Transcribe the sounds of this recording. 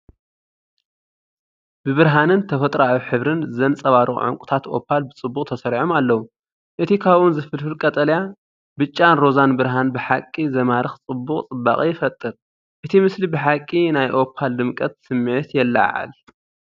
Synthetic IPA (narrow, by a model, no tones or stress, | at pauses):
b̥ɨβɨɾɦanɨnt̪ʰɐfɐt̪ʼɾawiħɨβɾɨnzɐnt͡sʼɐβaɾɨ̰ʕɨ̰ŋkʷʼʊ̥t̪ʰat̪ʔo̞̰pʰːalbɨt͡sʼɨbːukʼt̪ʰɐsɐɾʕomalːɐwu | ʔɨt̪ʰikʰaβunzɨfɨlfɨlkʼɐt̪ʼɐlja | bɨt͡ʃʼːanɾo̞zanbɨɾɦanbɨħakʼːizɐmaɾɨxt͡sʼɨbːukʼt͡sʼɨbːa̰kʼijɪfɐt̪ʼːɨɾ | ʔɨt̪ʰimɨslibɨħakʼːinajʔo̞pʰːald̪ɨmkʼɐt̪sɨmːɨʕit̪jɛlːa̰ʕa̰l